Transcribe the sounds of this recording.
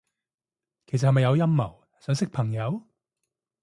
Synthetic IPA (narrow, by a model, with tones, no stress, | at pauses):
kʰe˨˩jsɐ˨hɐ˨jmɐ˨jɐ˨˧wjɐ˥mːɐ˨˩w | sœː˨˥ŋsɪ˥k̚pʰɐ˨˩ŋjɐ˨˧˥w